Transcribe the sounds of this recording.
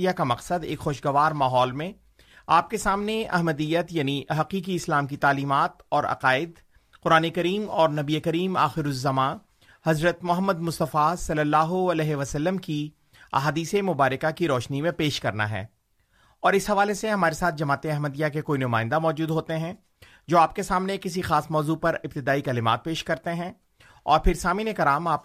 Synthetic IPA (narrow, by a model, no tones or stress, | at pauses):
ijakamɐqsəd̪eːkxoːʃɡɐʋaːɾmaːɦɔːlmẽ | aːp̚kesaːmneɐ̰ɦməd̪ijət̪jaːniɦɐqiːkiɪslaːmkit̪aːliːmaːt̪ɔːɾɐ̰qaːɪd̪ | qʊɾaːnekɐɾiːmɔːɾnɐbiekɐɾiːma̰ːxɪɾʊzːɐmãː | hɐzɾət̪mʊɦəmːəd̪mʊst̪əfasɐlːəlːaːɦoɐlɛːɦeʋɐsəlːəmki | a̰ɦaːd̪iːsemʊbaːɾɪkakiɾɔːʃnimẽpeːʃkɐɾna̰ɦɛ̰ː | ɔːɾɪsɦɐʋaːleseɦɐmaːɾesaːt̪̚ʰd͡ʒɐmaːt̪ẽɐɦməd̪jakekoːinʊmaːɪ̃nd̪amɔːd͡ʒuːd̪ɦoːt̪eɦɛ̃ | d͡ʒoːaːp̚kesaːmnekɪsixaːsmɔːzupɐɾɪb̚t̪ɪd̪aːikɛːlɪma̰ːt̪̚peːʃkɐɾt̪eɦɛ̃ | ɔ̰ːɾpʰɪɾsaːminekɐɾaːmaːp